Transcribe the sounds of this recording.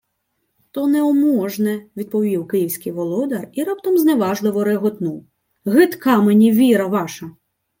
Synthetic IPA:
t̪ɔnɛɔmɔʒnɛʋʲid̪̚pɔʋʲiwkɪjiwsʲkɪjʋɔlˠɔd̪ɐriɾɑp̚t̪ɔmzneʋɑʒlˠɪʋɔɾeɦɔt̪nu | ɣɪt̪kɑmenʲiʋʲiɾɐʋɑʃɐ

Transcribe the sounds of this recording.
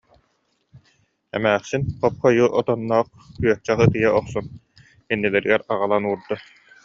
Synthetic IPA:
ɛ̰mæːχsinqɔp̚χɔjuʔɔt̪ɔnːɔːχ | kyœht͡ɕɛχɯt̪ɯjɛɔχsɔn | inːilɛɾiɡɛɾaʁalˠanuːɾd̪a

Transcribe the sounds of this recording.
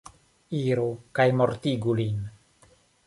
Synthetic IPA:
iɾukajmoɾt̪iɡulin

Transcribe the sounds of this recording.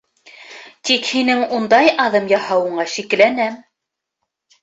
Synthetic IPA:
t̪ikhinɘŋund̪ɑjʔɑðɤmjɑhɑwɤ̆ɴɑʃiklænæm

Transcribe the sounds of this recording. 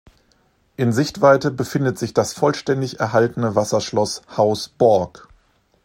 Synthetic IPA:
ʔɪnzɪçtv̥aɪtəbəfɪndətz̥ɪçd̥asfɔlʃtɛndɪçɛɐɦaltn̩əvasɐʃlɔshaʊsb̥ɔɐk

